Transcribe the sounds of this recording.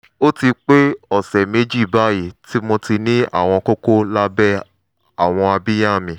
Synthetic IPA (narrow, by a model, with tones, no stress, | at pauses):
o˦ti˧k͡pe˦ɔ˨sɛ˨me˨˦d͡ʒi˦˨ba˨˦ji˦˨ti˦mõ˧ti˧nĩ˦a̰˦˨w̃ɔ̃˧ko˦ko˦la˦bɛ˦ | a˨w̃ɔ̃˧a˧bi˦ja˦˨mĩ˧˦